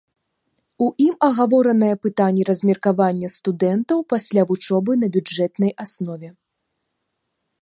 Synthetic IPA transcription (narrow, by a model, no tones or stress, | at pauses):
uʔimɐɣavɔɾɐnɐjɐpɨt̪anʲːiɾɐzʲmʲɛrkavanʲːɐst̪ud̪ɛnt̪ɐwpasʲlʲavut͡ʂɔbɨn̪ɐbʲud͡ʐɛt̪nɐjasnɔvʲɛ